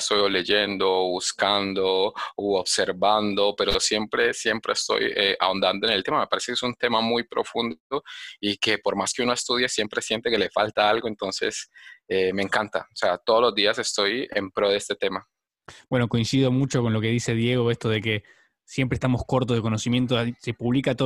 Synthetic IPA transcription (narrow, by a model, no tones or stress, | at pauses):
st̪ojole̞ʝend̪o̞βuskand̪oooβseɾβand̪o̞pe̞ɾosje̞mpɾe̞sje̞mpɾeest̪o̞̰jea̰ond̪and̪oene̞lt̪e̞mame̞paɾe̞se̞keesunt̪e̞mamujpɾo̞̰fund̪oike̞po̞ɾmaskeunoest̪uð̞je̞sje̞mpɾe̞sje̞nt̪e̞ke̞le̞falt̪aalɣo̞e̞nt̪o̞nse̞̰semeːŋkant̪a̰oseat̪oðolo̞zd̪iase̞st̪o̞jḛmpɾo̞ðeest̪e̞t̪e̞ma | bwe̞no̞ko̞insiðomut͡ʃo̞konlo̞ke̞ðise̞ðje̞ɣ̞o̞est̪oð̞e̞ke̞ | sjempɾeːst̪amo̞sko̞ɾt̪ozðekonosimje̞nt̪̬osepuβlikat̪o